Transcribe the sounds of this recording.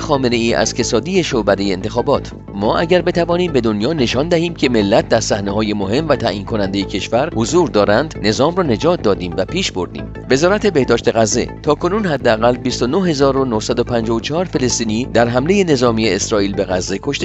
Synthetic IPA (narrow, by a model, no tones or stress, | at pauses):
xɒːmene̞iːʔæ̰z̥ke̞sɒːd̪ie̞ʃobæd̪ejeːnt̪ʰe̞xɒːbɒːt̪ʰ | mɒːʔæɟæɾbe̞t̪ʰævɒːniːmbe̞d̪onjɒːne̞ʃɒːnd̪æhiːmcʰe̞me̞lːæt̪̚ʰd̪æɾsæhnehɒːje̞mohe̞mvæt̪ʰæ̰ʔiːnkʰo̞nænd̪e̞jecʰe̞ʃvæɾhozuːɾd̪ɒːɾænd̪ne̞zɒːmrɒːne̞d͡ʒɒːt̪̚ʰd̪ɒːd̪iːmvæpʰiːʃbo̞ɾd̪ḭːm | ve̞zɒːɾæt̪ʰe̞be̞hd̪ɒːʃt̪e̞ɣæzːe̞̰t̪ʰɒːkʰo̞nuːnɦæd̪ːeæɣælbist̪o̞noɦe̞zɒːɾo̞nohsæd̪opʰænd͡ʒɒvot͡ʃʰɒːɾfe̞lest̪iːniːd̪æɾɦæmle̞je̞ne̞zɒːmijeesɾɒːʔiːlbe̞ɣæzːe̞kʰoʃt̪e